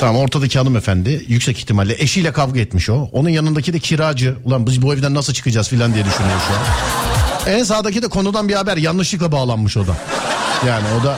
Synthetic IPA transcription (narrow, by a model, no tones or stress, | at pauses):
t̪ʰamamo̞ɾt̪ʰad̪acʰialˠɯmefænd̪ɪjycsɛci̥çt̪ʰimalʲːɛʔe̞ʃijlʲɛkʰavɡɯɛt̪miʃo̞onunjanɯnd̪acʰid̪ɛcʰiɾaːd͡ʒɯulˠanbibuevid̪ænːasɯlˠt͡ʃʰɯ̥kɯd͡ʒaːz̥finlʲːand̪ijad̪yʃynyjoʃuan | ɛnsaːd̪acid̪ɛkʰo̞nud̪anbihabæɾjanlˠɯʃlˠɯklˠabaːlˠanmɯʃo̞d̪a̰ | jaːnɪo̞d̪a